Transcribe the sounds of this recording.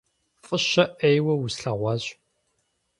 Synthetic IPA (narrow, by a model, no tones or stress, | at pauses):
fʼɨʃɐʔejwɐwusɬɐʁʷɑɕʼ